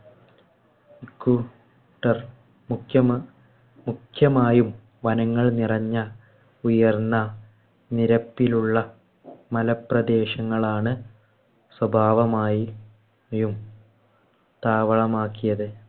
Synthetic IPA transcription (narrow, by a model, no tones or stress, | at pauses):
kːu | ʈːɐr | mukʰjɐ | mukʰjɐmaːjum | ʋɐnɐŋːɐɭnirɐɲːɐ | ujɐrnːɐ | niɾɐpːiluɭːɐ | mɐlɐprɐd̪e̞ːɕɐŋːɐɭaːɳɨ | swɐbʱaːʋɐmaːji | jum | t̪aːʋɐɭɐmaːkːijɐðɨ